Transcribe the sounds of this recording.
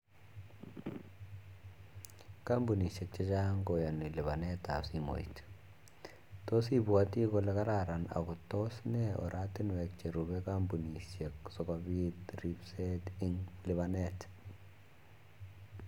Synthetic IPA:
ka˦mbu˨ni˨ʃe˨k̚t͡ʃɛ˦t͡ʃa˦ŋɡɔ˨jɔ˨ni˨lɪ˨βa˨nɛ˦ta˨si˦mo̰˨ḭ˨t | to˦si˦bwa˦ti˦kɔ˦lɛ˦ka˦ɾa˨ɾa˨na̰˨kʊ˨tɔ˦snɛ˦ɔ̰˨ɾʔa˦tɪ˦n˨wɛ˨k̚t͡ʃe˨ɾu˨bɛ˦ka˦mbu˨ni˨ʃe˨ksɔ˨kabi˦tri˦bsɛ˦ti˦ŋlɪ˨βanɛt

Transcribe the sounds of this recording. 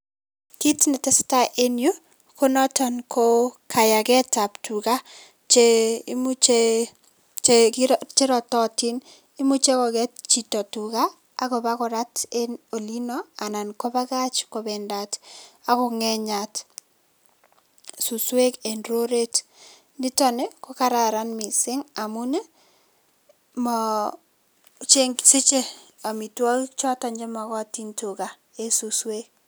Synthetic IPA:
ki˦tnɛ˨tɛ˦sta˦ʔe˦nju˦ | ko˦nɔ˦tɔnkʰo˦kʰa˨ja˨kɛ˦ta˨ptu˨ka˦ | t͡ʃe˦mu˦t͡ʃe | t͡ʃekt͡ʃe˦ɾɔ˨tɔ˦ti˦n | i˦mu˦t͡ʃe˦kɔ˨ɡɛt̚t͡ʃi˨tɔ˨tu˨kaː˦˨ | kɔ˨bakɔ˨ɾateno˨linɔ˦a˨na˨nko˦ba˦ɡa˦t͡ʃko˨bɛnda˨ta˨kɔ˨ŋɛ˦ɲa˨t | su˨swe˦ke˨nro˦ɾe˦t | nɪ˦tɔ˦ne˦kɔ˦ka˦ɾa˨ɾa˦nmi˨sɪ˦ŋa˨mʊ˦ne˦ | mɔ˨ | t͡ʃe˦ŋsɪ˦t͡ʃe˦ | a˨mi˨twɔ˦ki˦t͡ʃɔ˦ta˨ɲd͡ʒɛ˦ma˨kɔ˦a˨ti˦ntu˨ka˨ | e˦su˨swe˦k

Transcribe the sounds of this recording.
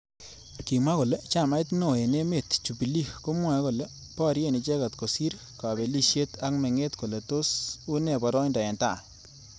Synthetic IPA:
ki˨ma˦ko˨le˦t͡ʃa˦˨ma˦ɪ˦tno˨e˨ne˦me˨tt͡ʃu˨pi˨li˦ko˦mwa˨˦ko˨le˦ | pɔ˦ɾje˦˨ni˨t͡ʃe˦ka˨tko˨si˦ɾ | ka˨be˨li˦ʃje˦tʰa˦kmɛ˨ŋe˦tko˨le˨to˦su˦ne˨bɔ˨ɾɔ˦nda˨ɛ˨nta̰˦˨

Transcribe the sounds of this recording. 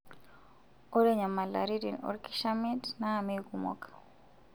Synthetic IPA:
ɔ˦ɾe˦ɲa˨ma˨la̰˨ɾidi˨nɔ̰˦ɾki̥ʃami˦tnaːmikumɔ̰kḁ

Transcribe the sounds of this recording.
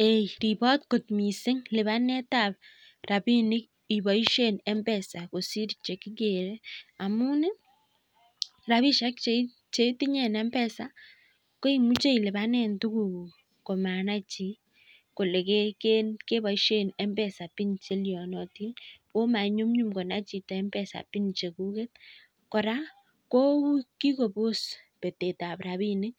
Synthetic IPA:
ejɾi˨bɔ˦tko˨t̚mi˨sɪ˦ŋlɪ˨βa˦nɛ˦ta˦˨p̚ | ra˨bi˦nɪ˦k | i˨bɔ˨i˦ʃenɛ˦mbɛ˨sa˨ko˨si˦ɾit͡ʃe˨kɪ˦ɡe˨ɾe˦a˨mʊ˦ne˦ | ɾa˨βi˦ʃa˦kt͡ʃe˦ | t͡ʃe˦ti˦ɲɛ˦˨nɛ˦mbɛ˦sa˦ | ko˦i˨mu˦t͡ʃe˦i˨lɪ˨βa˦nɛ˦ntu˦ku˨ | ko˨ma˨na˦t͡ʃi˨ | ko˨le˨ke˦kenke˦ba˦iʃe˦nɛ˦mbɛ˨sa˨pi˦nt͡ʃe˦ljɔ˨nɔ˨ti˦no˦ma˨ɲu˦mɲu˦mko˨na˦t͡ʃi˨tɔ˨ɛ˦mbɛ˨sa̰˨pi˦nt͡ʃe˨ku˦ke˦t̚ | kɔ˨ɾa˦ | ko˦ki˦ko˨po˦spe˨te˨ta˨pɾa˨βi˦ne˦

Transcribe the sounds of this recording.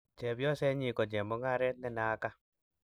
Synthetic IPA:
t͡ʃɛ˨bjɔ˦sɛ˦ɲi˨kɔ˨d͡ʒɛ˨mɔ˦ŋa˦ɾɛ˦t̪̚nɛ˦na˨˦ka˦

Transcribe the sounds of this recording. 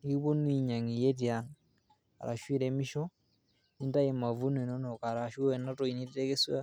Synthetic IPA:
i˦βo˦nwi˦ɲa˨ŋi˨je˦tjaŋ | a̰˨ɾa̰˨ʃwi˦ɾemi˦ʃo˦ | ni˦nta˦je˨ma˨vu˦ne˨no˦no˨ka˨ɾa˨ʃwu˦e˨na˦to˨i˨ni˦tite˦ke˦swa˦

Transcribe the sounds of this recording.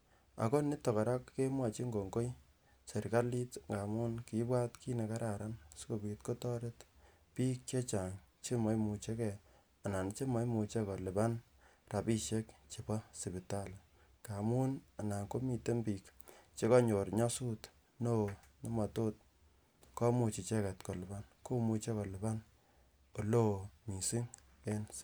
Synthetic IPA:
a̰˨ko˦ni˦tːɔ˨ka˨ɾa˦kːe˦mwa˨t͡ʃi˦ŋɡo˨ŋɡo˦j | se˨ɾka˦li˦tŋɡa˨mu˦nki˨˦ba˦tki˦ne˨ka˦ɾʔa˨ɾa˦nsko˨bi˨tko˦tɔ˦ɾe˦t | piː˦kt͡ʃe˦t͡ʃa˨ŋt͡ʃe˦mɔ˨˦jmu˨t͡ʃe˦kɛ˨ | a˨na˨n˦t͡ʃe˦mɔ˦jmu˨t͡ʃe˦kɔ˨le˨ba˦n | ra˨pi˦ʃe˦kt͡ʃe˨pɔ˦sɪ˨bi˨ta˦˨l | ka˨mu˦na˨na˨ŋko˦mi˨te˦mbiː˨kt͡ʃe˦kɔ˦ɲo˨ɾɲɔ˦su˦t | no˦˨nɔ˦ma˨to˦t̚ | kɔ˦mu˨t͡ʃi˨t͡ʃe˦kɛ˨tko˨lɪ˨ba˦nko˦mu˧t͡ʃe˦kɔ˨lɪ˨ba˦n | o˨lo˦˨mi˨si˦ŋ | e˦ns

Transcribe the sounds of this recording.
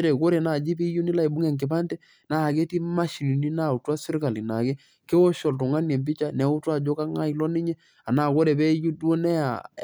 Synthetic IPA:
ɾe˨ko˦ɾe˨na˨d͡ʒi˦pi˦ju˦ni˦la˦i˨bʊ˦ŋɛ˦˨ŋkɪ˨ba˦ntɛ˦ | na˨ke˦ti˦ma˦ʃi˨li˨ni˦na˦˨u˨ta˦sɪ˦ɾka˨li˨na˨ke˦ | ke˦wɔ˦ʃɔ˨ltʊ˨ŋa˦njɛ˨mb̬ɪ˦t͡ʃa˦nɛ˨˦ʊ˦twa˦˨d͡ʒo˦ka˦ŋa˦i˨lɔ˦nɪ˦ɲɛ˦ | a˨na˨ko˦ɾe˨bɛ˦ju˦do˦nɛ˦a̰˨

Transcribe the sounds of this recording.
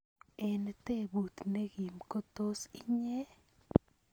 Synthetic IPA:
ɛ˨nt̪e˦bu˨t̪ne˦ɡi˨mko˦t̪o˦si˦ɲe˦

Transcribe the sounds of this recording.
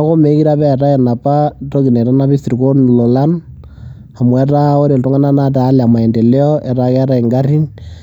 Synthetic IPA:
a˦ko˦me˨˦ki˦ɾa˦βɛː˦˨ɾa˦ɛ˨na˨pa˦to˦ki˨nɛ˨ta˦na˦βi˦si˨ɾi˨ko˦n˨lɔ˨la˦n | a˨mu˨ɛ˨˦ɾa˦o˦ɾe˨tɔ˦ŋa˦na˦na˦taː˨˦lɛ˨a˨ma˨ɛ˨nde˨lɛ˦ɔ˦ʔɛ˨ɾa˦kɛ˦ɾa˦ɛ˨ŋɡa˦ɾi˦n

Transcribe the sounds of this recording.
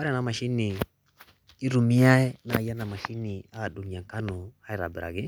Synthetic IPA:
a˦ɾna˨ma˨ʃi˦ni˨ | i˦ɾu˨mi˦a˦ɛ˦na̰˨ja˦na˨ma˨ʃi˦ni˨a˦a˨ɗu˨ɲi˨a˨ŋ˨ka˦nɔ˨ha˦i˨ɾa̰˨bɛ˨ɾa̰˨ɡɪ˦

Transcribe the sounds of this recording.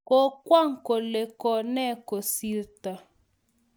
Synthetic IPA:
ko˦kwa˦˨ŋ˨ko˨le˨kɔ˨nɛ˦ko˨si˦ɾt̪a˨

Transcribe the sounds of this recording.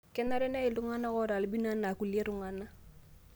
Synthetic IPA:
kɛ˦na˦ɾɛ˦nɛ˦e˨lu˦ŋa˦na˦kɔ˦ɾa˨li˦bi˦na˦na˨ku˨li˦e˦ɾu˦˨ŋa˦nːa˦

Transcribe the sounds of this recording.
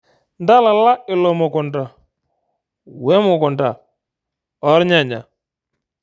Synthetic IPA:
nda˦la˨la˦ɪ˨lɔ˨mɔ˨kʊ˨nda˨ | wɛ˦mʊ˨kʊ˨nda˨ | ɔ˨˦ɾɲa˨ɲa̰˨

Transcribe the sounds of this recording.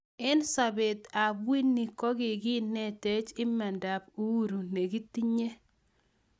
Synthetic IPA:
ɛ˦nsa˨be˨ta˨bwi˦nːi˨kɔ˦ɡɪ˨ɡɪ˦nːɛ˦te˦t͡ʃɪ˦ma˨nda˨p̚u˦wu˦ɾu˨ne˨ɡi˦ti˦ɲe˦

